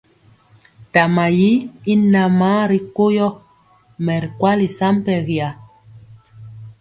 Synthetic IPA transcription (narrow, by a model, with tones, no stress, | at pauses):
ta˨ma˨ji˦i˦na˨maː˦ɾi˨ko˦jɔ˦ | mɛ˨ɾkwa˦li˨sa˦m˦pɛ˨ɣja˨